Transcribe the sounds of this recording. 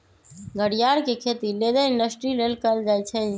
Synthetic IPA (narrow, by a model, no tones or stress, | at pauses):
ɡʱəɽijaːɾkekʰeːt̪ileːd̪əɪ̃ɳɖəsʈɾileːlkəld͡ʒaːjt͡ʃʰe